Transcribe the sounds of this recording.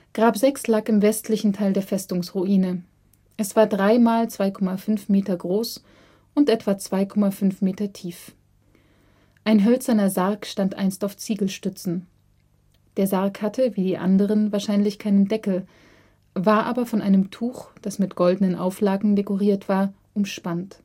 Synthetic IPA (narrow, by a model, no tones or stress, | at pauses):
ɡ̥ʁaːpzɛkslaːkɪmvɛstʰlɪçn̩tʰaɪldeːɐfɛstʊŋsʁuʔiːnə | ʔɛsv̥aːɐdʁaɪmaːlt͡sv̥aɪkʰɔmafʏnfmeːtɐɡʁoːs | ʔʊntʔɛtv̥aːt͡sv̥aɪkʰɔmafʏnfmeːtɐtʰiːf | ʔaɪnɦœlt͡sɐnɐzaʁɐkʃtantʔa̰ɪnstaʊft͡siːɡl̩ʃtʏt͡sn̩ | d̥eːɐzaɐkhatʰəviːdiːʔa̰ndəʁ̞ənvaːɐʃaɪnlɪçkʰaɪnəndɛkl̩ | vaːɐʔaːbɐfɔnʔa̰ɪnəmtʰuːxd̥asmɪtɡ̥ɔldənənʔa̰ʊflaːɡŋ̩dekɔʁ̞iːɐtv̥aːɐ | ʔʊmʃpant